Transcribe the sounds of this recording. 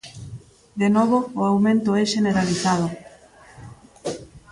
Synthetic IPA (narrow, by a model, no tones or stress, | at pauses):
d̪enɔβ̞oːawmẽnt̪ʊɛʃeneɾaliθað̞o